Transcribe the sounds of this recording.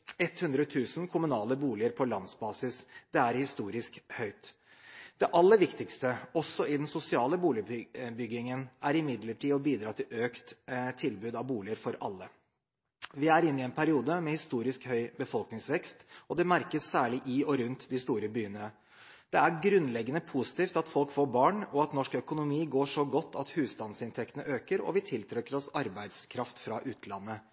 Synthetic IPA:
ɛt̪hʉnd̪ɾət̪ʰʉːsn̩kʰʊmʉnɑːləbuːlɪəɾpʰɔlɑnsbɑːsɪsd̪̥ɛæɾhɪst̪uːɾɪskhœʏt̪ | d̪̥ɛʔɑlːəɾʋɪkt̪ɪkst̪əɔsːɔɪd̪ɛnsʊsɪɑːləbuːlɪbʏɡɪŋənʔæɾɪmɪd̪ləʈʰiːɔbiːd̪ɾɑːt̪ʰɪlʔøːkt̪t̪ʰːɪlbʉːd̪ɑʋbuːlɪəɾfɔɾʔɑ̰lːə | ʋɪæɾɪnːɪɛnpʰæɾɪuːd̪əmɛhɪst̪uːɾɪskhœʏbəfɔlknɪŋsʋɛkst̪ɔd̪ɛmæɾkəsːæːɭɪʔɪɔɾʉnt̪d̪ɪst̪uːɾəbyːənə | d̪̥ɛæɾɡɾʉnlɛɡːənəpʰʊsɪ̥t̪iːft̪ɑt̪fɔlkfoːbɑːɳɔɑt̪nɔʂkœkʊnʊmiːɡoːʂɔɡɔt̪ʰːɑt̪hʉːst̪ɑnsɪnt̪ʰɛkt̪ənəʔøːkəɾɔ̰ʋɪt̪ʰɪlt̪ʰɾɛkːəɾɔsɑɾbæɪd̪skʰɾɑft̪fɾɑʔʉːt̪lɑnːə

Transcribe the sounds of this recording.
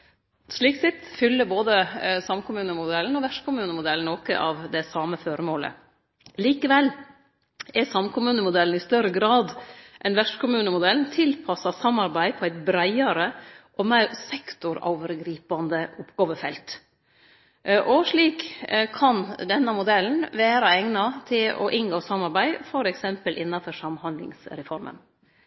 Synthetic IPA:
ʂɭiːksɪt̪ːfʏlːəɾboːd̪əsɑmkʰʊmʉːnəmʊd̪ɛln̩ɔʋæʂkʊmʉːnəmʊd̪ɛln̩oːkə̰ʔɑʋd̪ɛsɑməfɔɾəmoːlə̰ | liːkəʋɛlː | ɛsɑmkʊmʉːnəmʊd̪ɛlən̩ɪst̪œɾəɡɾɑːd̪ʔɛnʋæʂkʰʊmʉːnəmʊd̪ɛlnt̪ʰɪlpʰɑsɑsɑmːɑɾbæɪpʰɔæɪt̪bɾæɪɑɾəʔɔmæɪɾsɛkt̪ʊɾo̰ʊʋəɾɡɾiːpɑnd̪əʊpɡ̥oːʋəfɛlt̪ | ʔɔʂɭiːkkʰːɑnd̪ɛnːəmʊd̪ɛln̩ʋæːɾɑɛŋnɑt̪ʰɪlɔ̰ʔɪŋɡoːsɑmːɑɾbæɪfɔɾɛksɛmpəlʔɪnːɑfɔʂɑmhɑnd̪lɪ̰ŋsɾɛfɔɾmə̰n

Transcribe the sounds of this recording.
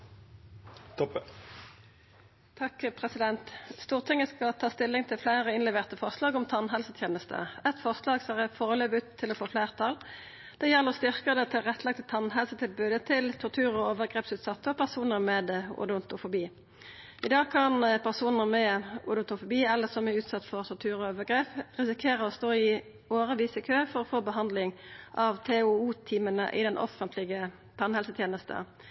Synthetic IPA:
t̪ʰɔp | t̪ʰɑkpʰʁɛsɪd̪ɛnt̪st̪uːʁt̪ʰɪŋːəskɑt̪ʰɑːst̪ɪlːɪŋt̪ʰɪlflæɪʁəɪnlɛʋeːʁt̪əfɔʁslɑːɡɔmt̪ʰɑnɦɛlsət̪ʰjeːnəst̪ʰə̰ɛt̪fɔʁslɑːɡsʁɛfoːʁəløːbʉt̪ʰːɪlɔːfoːfleːʁt̪ʰɑl | d̪̥ɛjɛlːəʁɔst̪ʏʁkəd̪ɛt̪ʰɪlʁɛt̪ʰːlɑɡ̚t̪ət̪ʰɑnɦɛlsət̪ʰɪlbʉːd̪ət̪ʰɪlt̪ʰɔʁt̪ʰʉːʁɔoːʋəʁɡʁeːpsʉːt̪sɑt̪ːəɔpʰæʁsuːnəʁmeːd̪ʊ̰d̪ʊnt̪ʊfʊbiː | ɪd̪ɑːɡkʰɑnpʰæʁsuːnəʁmɛʊ̰d̪ʊnt̪ʊfʊbiːɛlːəsɔmæʉːt̪sɑt̪ːfɔʁt̪ʰɔʁt̪ʰʉːʁɔoːʋəʁɡʁeːpʁɪsɪkʰeːʁəɔst̪oːɪ | oːʁəʋiːsəɪkʰøːfɔɾʁɔfoːbəɦɑnd̪lɪŋʔɑʋt̪ʰɛʊuːt̪ʰiːmənə̰ʔɪ̰d̪ɛnʔɔ̰fənt̪ʰlɪɡə | t̪ʰɑnhɛlsət̪ʰjeːnəst̪ə̰

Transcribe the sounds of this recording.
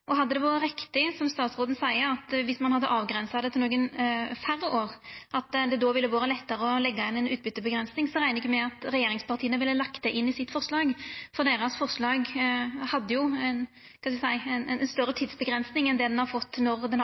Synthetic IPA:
ʔɔɦɑd̪ːəd̪ɛʋɑːʁəɾɪkt̪ɪsɔmst̪ɑːt̪sʁoːd̪n̩sæɪəɑt̪ʋɪsmɑnhɑd̪ːəʔɑːʋɡɾɛnsɑd̪ɛt̪ɪloːɡənfæɾoːʁʔɑt̪d̪ɛd̪ɔʋɪlːəʋɑːɾəlɛt̪ːəɾəɔlɛɡːɑɪnɛnʉːt̪̚bʏt̪ːəbəɡɾɛnsnɪŋsɔʁæɪəɪkːəmɛɑt̪ʁɛjeːɾɪŋspɑʁt̪iːənəʋɪlːəlɑkt̪̚d̪ɛʔɪnːɪsɪt̪ːfɔʁslɑːɡfɔʁd̪eːɾɑsfɔʁslɑːɡhɑd̪ːəjʊɛn | kʰɑd̪ɛɛsæɪɛnɛnst̪œɾət̪ʰiːd̪sbəɡɾɛnsnɪŋɛnd̪ɛd̪ɛnhɑɾfɔt̪ːnɔʁd̪ɛn

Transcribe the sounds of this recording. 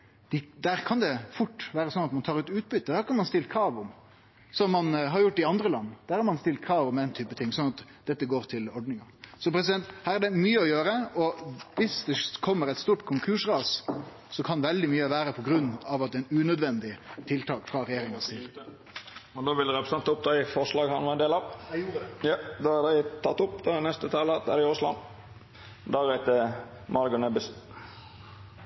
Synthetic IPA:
d̪̥ɪd̪æːɾkʰɑnd̪ɛfʊʈːʋæːɾəsɔnɑt̪mɑnt̪ʰɑːɾʉt̪ʉːt̪̚bʏt̪ːəd̪æːɾkɑnmɑnst̪ɪlt̪̚kʰɾɑːʋʊm | sɔmːɑnɦɑɾjʊʈːɪɑnd̪ɾəlɑnːd̪̥æːɾhɑɾmɑnst̪ɪlt̪̚kʰɾɑːʋʊmɛnt̪ʰyːpət̪ʰɪŋsɔnɑt̪ | d̪ɛt̪ːəɡoːɾt̪ʰɪlɔɖnɪŋɑsɔpʰɾɛs̬ɪd̪ɛnt̪hæːɾæɖɛmyːəɔjøːɾəɔʋɪsd̪ɛkʰɔmːəɾɛɪt̪st̪uːʈkʰʊŋkʰʉːʂɾɑːs | sɔkʰɑnʋɛld̪ɪmyːəʋæːɾəpʰɔɡɾʉnːɑʋɑt̪̚d̪ɛɪnʉːnœd̪ʋɛnd̪ɪt̪ʰɪlt̪ʰɑːkfɾɑɾɛjeːɾɪŋɑsɪ | ɔnd̪oːʋɪld̪əɾɛpɾəsɛnt̪ʊp̚d̪ɑɪfɔɾʂlɑːɡhɑnʋɑɾɛnd̪eːlɑʋjujɑd̪ɔæd̪æɪt̪ʰɑt̪ːʊpːd̪nɛst̪ət̪ʰɑːləd̪ɛ̰ɾɛɪʊslɑ̰n | d̪ɑɾæɪt̪ə | mɑlɡʊnɛbɪs

